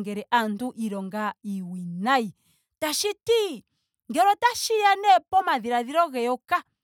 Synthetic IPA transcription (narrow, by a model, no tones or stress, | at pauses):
ŋɡɛɾɛʔantuʔiɾɔŋɡaiwinai | taʃiti | ŋɡɛɾɔtaʃijanɛpɔmaðiɾaðiɾɔɣɛɔka